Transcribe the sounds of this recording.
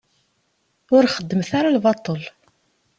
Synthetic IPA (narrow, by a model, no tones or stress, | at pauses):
ʊɾχəd̪ːəmθaɾalvɑt̪ˤəl